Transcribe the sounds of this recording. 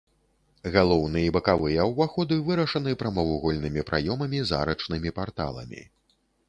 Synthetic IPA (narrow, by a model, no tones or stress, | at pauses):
ɣalˠɔwnɨjɐibɐkavɨjɐwvaxɔd̪ɨvɨɾɐʂɐnɨpɾɐmɐvuɣɔlʲnɨmʲipɾʔajɔmɐmʲiza̰ɾɐt͡ʂnɨmʲipart̪a̰lˠɐ̰mʲḭ